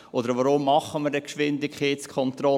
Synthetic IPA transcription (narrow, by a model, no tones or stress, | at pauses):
ʔod̪əɾvɔɾʊmːɑχːəməɾdɛkʃʋɪndɪkʰχeːtt͡skʰɔnt̪ɾɔ